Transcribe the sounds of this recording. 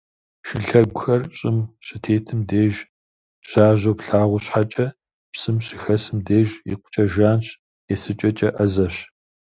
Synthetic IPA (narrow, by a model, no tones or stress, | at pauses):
ʃɪɬɐɡʷʊxɐrɕʼɪmɕɪtʰeːtʰɨmdeːʒ | ɕaːʑopɬaːʁʷʊɕħat͡ʃʼɐ | psɨmɕɪxɐsɨmdeːʒḭqʷʊ̥t͡ʃʼɐʒaːnɕ | jɛsɨt͡ʃʼɐt͡ʃʼɐʔɐzɐɕ